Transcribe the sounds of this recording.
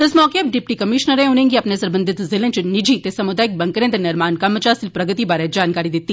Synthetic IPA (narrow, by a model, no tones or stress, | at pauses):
t̪ɪsmɔːkeɐp̚ɖɪp̚ʈikɐmɪʃnəɾɦɛ̃ɦʊnẽːŋɡiɐpnesɐɾbə̃nd̪ʱɪt̪zɪlẽnt͡ʃnɪd͡ʒit̪esɐmʊd̪aːɪk̚bɐ̃ŋkɾẽːt̪enɪɾmaːnkɐmːət͡ʃaːsɪlpɾɐɡət̪ibaːɾed͡ʒaːnkaːɾid̪ɪt̪ːi